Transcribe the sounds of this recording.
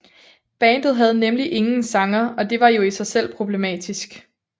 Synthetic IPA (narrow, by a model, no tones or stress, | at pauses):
b̥ɛ̰ːnd̥ð̩ˠɦæð̞ˠnemliʔe̝ŋn̩sɑ̈ŋɐɒ̽d̥e̝ʋɑ̈jo̝isɑ̈ɪsel̰pʰʁo̝b̥le̝mɛ̰ːd̥isɡ̥